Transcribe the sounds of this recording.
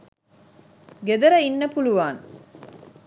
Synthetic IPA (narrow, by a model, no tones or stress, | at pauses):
ɡed̪ɐɾɐinːɐpuluʋaːn